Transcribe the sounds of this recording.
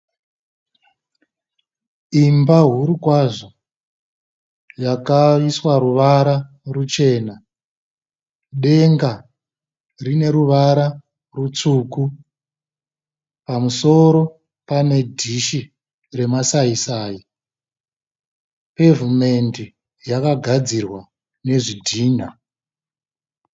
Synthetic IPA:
imbaɦuɾukwaʐo | jakaiswaɾuʋaɾa | rut͡ʃe̞ːna | ɗe̞ŋɡa | rine̞ɾuʋaɾa | rut͡suːku | pamuso̞ɾo̞ | pane̞dʱiʃi | re̞masaisaːji | pe̞vume̞ndi | jakaɡʱad͡zirwa | ne̞ʐidʱiːn̤a

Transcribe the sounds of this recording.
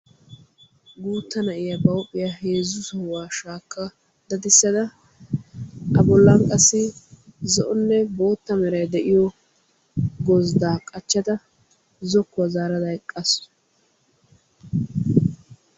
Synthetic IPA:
ɡuːt̪ːɐnɐʔɪjabɐwʊpʼːɪjaheːzːʊsɔhʊwaːʃaːkːɐ | d̪ɐd̪ɪsːɐd̪ɐ | ɐbɔlːɐŋkʼɐsːɪzɔʔɔnːɛbo̞ːt̪ːɐmɛɾɐjd̪ɛʔɪjɔ | ɡɔzd̪aːkʼɐt͡ʃːɐt̪ɐ | zɔkːʊwɐzaːɾɐd̪ɐɛkʼːɐs

